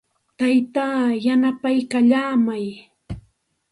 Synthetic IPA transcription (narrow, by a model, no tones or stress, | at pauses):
t̪ajt̪aːjanapajkaʎaːmaj